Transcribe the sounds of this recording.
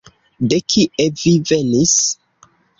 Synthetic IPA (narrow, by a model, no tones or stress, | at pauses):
dekʰiʔevivenis